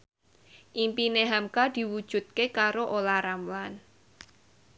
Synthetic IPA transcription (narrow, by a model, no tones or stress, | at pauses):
ʔimpineɦamkad̪̥i̤wud̥ʒ̥ṳt̪̚kekaɾoʔolaɾamlan